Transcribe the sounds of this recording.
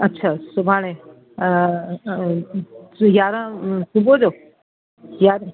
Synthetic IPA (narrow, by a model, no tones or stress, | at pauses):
ətːɕʰasubʱaɽ̃ẽ | jaɾãsubod͡ʑo | jaɾ